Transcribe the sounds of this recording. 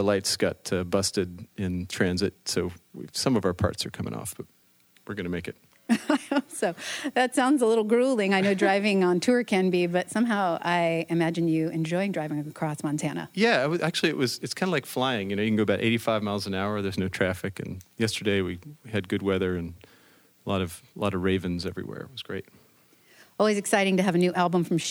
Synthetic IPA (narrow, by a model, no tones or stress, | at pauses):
əlaɪtsɡ̥ʌtʰɨbʌstɨɾɪ̃ntʰɹ̥æ̃nzɨt̚soʊwḭsʌ̃mʌvaʊə˞pʰɑ̰ɹtsə̰˞kʰʌ̃mɪ̰̃ŋɔ̰fb̥ʌt̚ | wɨɹɡʌnɨmeɪkɨt̚ | soʊðɨtsãʊ̃ndzəlɪɾl̩ˠɡɹulˠɪ̃ŋaɪnoʊdɹaɪvɪ̃ŋə̃ntʰʊɹkʰɨ̃nbibʌtsʌ̃mɦaʊʔaɪɨmæd͡ʒɨ̃njɨɨ̃nd͡ʒɔɪɪ̃ŋdɹaɪvɪ̃ŋɨkʰɹ̥ɔsmɑ̃ntʰænə̰jæɪwʌæk̚t͡ʃʉl̩ˠiɨʔwʌz̥ɨtskʰãɪ̃ndəlaɪkflaɪɪ̃ŋjɨnoʊjɨkʰn̩ɡoʊbaʊɾʔḛɪɾifaɪvmaɪlˠzɨ̃naʊə˞ðə˞znoʊtʰɹ̥æfɨkɨ̰̃njɛstə˞deɪwiɨd̚ɡʊd̚wɛðə˞ɨ̃n | əlɔ̰ɾʌv̥lɔ̰ɾʌvɹeɪvɨ̃nzɛvɹḭwɛ̰ɹɨ̰t̚wʌzɡ̥ɹḛɪt̚ | ʔɔlˠwizɨksaɪɾɪ̃ŋtɨːvɨnʉʔælˠbə̃ɱfɹʌ̃mʃ